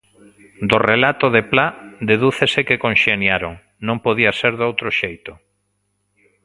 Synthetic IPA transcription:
d̪orelat̪oðeplad̪eðuθesekekonʃenjaɾoŋ | nõŋpoðiaseɾðowt̪ɾoʃejt̪ʊ

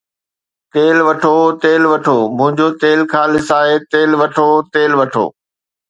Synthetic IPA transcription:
t̪eːlʋɐʈʰot̪eːlʋɐʈʰoːmʊ̃ɦɪ̃ɲd͡ʑot̪eːlkʰãːlɪsaːɦet̪eːlʋɐʈʰot̪eːlʋɐʈʰo̰ː

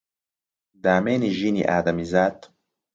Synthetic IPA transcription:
d̪aːmeːniʒinḭʔaːd̪ɐmizaːt̪

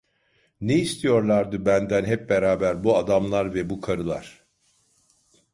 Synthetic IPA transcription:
neist̪ʰijo̞ɾlˠaɾd̪ɯbænd̪ænɦɛp̚beɾaːbæɾbuad̪amlˠaɾvɛbukʰaɾɯlˠa̰ɾ̥

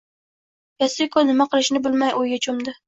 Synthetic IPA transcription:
jasɪkʰonɪmaqʰɨlˠɪʃnɪbɪlmajʔojɡʲat͡ʃʰʊmd̪ɪ

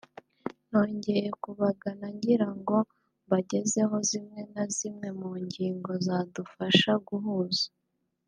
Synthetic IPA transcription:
no̞ːɲɟe̞je̞kuβaɡanaɲɟiɾaŋɡo̞ | βaɟe̞ze̞ɦo̞zimŋe̞nazimŋe̞muːɲɟiːŋɡo̞zadufaʃaɡuɦuzḁ

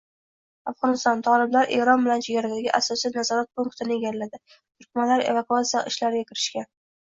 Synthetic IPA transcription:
afʁɒnɪst̪ɒnt̪ʰɒlɪblaɾʔe̞̰ɾɒnbɪlant͡ʃʰeɡʲaɾad̪aɡʲɪʔasɒsijnazɒɾat̪̚pʊŋkt̪ʰɪnɪeɡʲallad̪ɪ | t̪ʰʊɾkʲmanlaɾe̞̰vakʊat̪sijaʔɪʃlaɾɪɡʲakʲɪɾɪʃkʲan

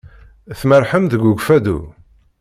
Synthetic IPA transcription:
θməɾˤħəmðəɡuɡfæd̪ṵ

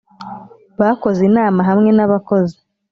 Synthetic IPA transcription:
βako̞zinaːmaɦamŋe̞naβako̞zi

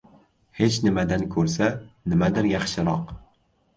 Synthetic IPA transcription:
het͡ʃʰnɪmad̪ankʰɵɾsanɪmad̪ɪɾjɑχʃɪɾɒq

